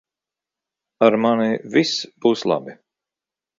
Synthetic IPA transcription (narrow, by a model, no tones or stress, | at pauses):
aɾmanivisb̥uːslˠa̰bi